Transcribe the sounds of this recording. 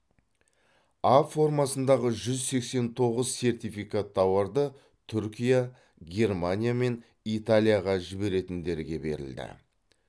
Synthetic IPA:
afo̞rmɑsənd̪ɑʁəʒʏzse̞kse̞nt̪ʰo̞ʁəzse̞rt̪ijfijkat̪ʰːɑwɑɾd̪ə | t̪ʰʏɾkʲija | ɡʲe̞rmanʲijame̞n | it̪alʲijaʁɑʒɪbe̞ɾe̞t̪ɪnd̪e̞ɾɡʲe̞be̞̰ɾɪ̰ld̪ɪ̰

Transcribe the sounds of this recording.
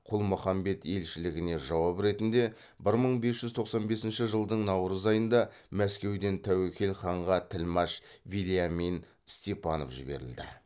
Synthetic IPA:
qʰʊlˠmʊχɑmbe̞t̪e̞lʃɪlɪɡʲɪne̞ʒɑwɑpɾe̞t̪ɪnd̪e̞ | bɪɾməɴbe̞sʒ̥ʏzt̪ʰo̞qsɑnbe̞sɪnʃɪʒəlˠd̪əɴnɑwɾəzɑjənd̪ɑ | mæskʲe̞wd̪e̞nt̪ʰæwekʲʰe̞lχɑɴʁɑt̪ʰɪlmɑʃvilijamin | st̪epʰɑnofʒɪbe̞̰ɾɪ̰ld̪ɪ̰

